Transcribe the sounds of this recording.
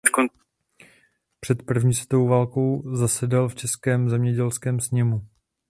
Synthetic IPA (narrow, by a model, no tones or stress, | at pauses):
t̪kon | pr̝̥ɛt̪pr̩vɲiːsɛt̪oowvaːlko̞wzasɛdɛlft͡ʃɛskɛːmzɛmɲɛɟɛlskɛːmsɲɛmu